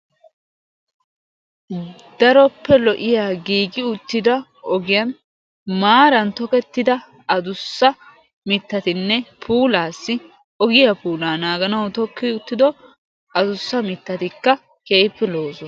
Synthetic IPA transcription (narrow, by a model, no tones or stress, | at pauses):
d̪̥ɐɾɔpːɛlɔʔɪjaːɡiːɡɪʊt̪ːɪd̪ɐ | ɔɡɪjɐn | maːɾɐnt̪ɔkɛt̪ːɪd̪ɐ | ɐd̪ʊsːɐ | mɪt̪ːɐt̪ɪnːɛpʰuːlaːsːɪ | ɔɡɪjɐpuːlaːnaːɡɐnɐwt̪ɔkːɪʊt̪ːɪd̪ɔ | ɐd̪ʊsːɐmɪt̪ːɐt̪ɪkːɐ | keːpːɛlo̞ːsɔ